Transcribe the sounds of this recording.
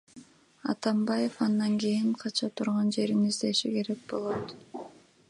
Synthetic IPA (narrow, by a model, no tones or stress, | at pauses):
ɑ̰t̪ɑmbɑje̞fɑnd̪ɑŋɡijiɴqʰɑt͡ʃʰɑt̪ʰuɾʁɑnd͡ʒe̞ɾinizd̪e̞ʃḭke̞ɾe̞k̚bo̞lˠo̞t̪